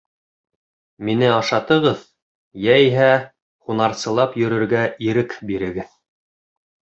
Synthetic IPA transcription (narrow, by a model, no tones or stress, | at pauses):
minɘɑʃɑt̪ɤ̆ʁɤð | jæiɦæ | χunɑɾsɤ̆lˠɑpjɵ̆ɾɵ̆ɾɡæiɾɘkbiɾɘ̆ɡɘð